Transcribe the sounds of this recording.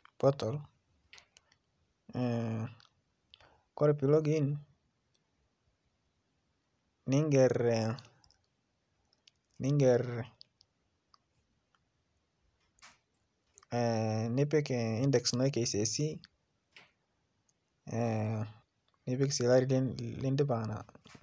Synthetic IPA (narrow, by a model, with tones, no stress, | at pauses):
pɔ˦tɔ˨l | kɔ˦ɾɛpi˨lo˦ɡin | ni˦ŋɡɛɾ | ni˦ŋɡɛɾ | ni˦pi˦ki˦ndɛ˨ksnɔ˦i˦ke˨se˨si˦ | ni˦pi˦ksi˨la˦ɾi˦lɪ˦ndi˦ba˨ŋna̰˨